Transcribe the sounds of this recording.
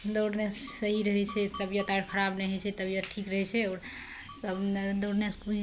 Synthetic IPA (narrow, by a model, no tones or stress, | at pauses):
d̪oɽnessəɦiɾəɦɛt͡ʃʰɛt̪əbijət̪aɾkʰəɾabnɛɦɛt͡ʃʰɛt̪əbjət̪ʈʰikɾəɦɛt͡ʃʰɛɔɾ | səbd̪oɽnesku